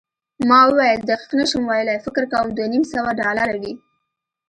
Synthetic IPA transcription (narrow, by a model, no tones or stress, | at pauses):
mɑwəwɑjəld̪aqi̥qnaʃəmwɑjəlajfɪkɪɾkawəmd̪wanimsawaɖɑlaɾawi